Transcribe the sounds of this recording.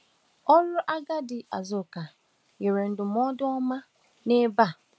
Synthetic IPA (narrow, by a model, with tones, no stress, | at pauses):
ɔ˦ɾʊ˦ʔa˦ɡa˦dɪ˨ʔa̰˨zʊ˨ka˨ | je˨ɾe˨n̩˨dʊ˨m˦ɔ˦dʊ˦ɔ˦ma˦ | ne˦ba˦˨